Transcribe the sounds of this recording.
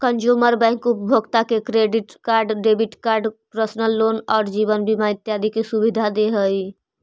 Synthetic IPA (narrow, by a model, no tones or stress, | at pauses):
kənd͡ʒuməɾbɛ̃ŋkupəbʱəɡt̪akekɾeɖiʈkaːɾɖːeːbiʈkaːɾɖpɾəsnəlːoːnɔːɾd͡ʒiːβənbʱimaɪt̪jaːd̪ikesubid̪ʱad̪eɦəi